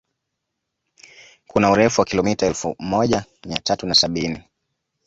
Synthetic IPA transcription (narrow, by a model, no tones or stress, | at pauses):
kunauɾɛfuwakilɔmitaɛlfṵmɔʄamiatatunasaɓini